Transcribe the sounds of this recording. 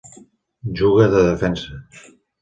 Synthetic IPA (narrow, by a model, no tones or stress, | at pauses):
ʒuɣəðəðəfɛnsə